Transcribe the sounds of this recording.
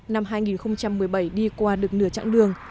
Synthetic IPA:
na˧mɦaː˧jŋi˨˩nxə˧wŋ͡mt͡ɕa˧mːɨ˨˩əjɓa˧˩jɗi˧kwaː˧ɗɨ˨˩ək̚nɨ̰˧˩ət͡ɕa̰˧˥ŋɗɨ˨˩əŋ

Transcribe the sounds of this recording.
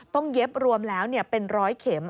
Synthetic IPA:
t̪ɔ˥˩ŋje˦˥p̚ɾu˧əmlɛː˦˥wni˥˩əpe˧nɾɔː˦˥jkʰeː˩˦m

